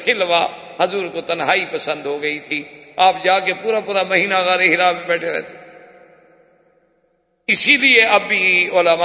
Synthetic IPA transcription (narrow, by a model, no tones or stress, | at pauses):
kʰɪlʋa | ɦɐzuːɾkot̪ɐnɦaːipəsə̃nd̪ɦoɡɐit̪ʰiaːp̚d͡ʒaːkepuːɾapuːɾamɐɦiːnaɣɛːɾeɦɪɾaːĩbɛːʈʰeɾɐ̰et̪ʰe̥ | ɪsilieɐbiʊlama